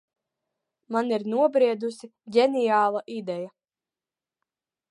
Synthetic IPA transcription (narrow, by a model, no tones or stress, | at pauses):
maniɾnuɔbɾiɛd̪usiɟʲɛnijaːlˠaʔid̪ɛja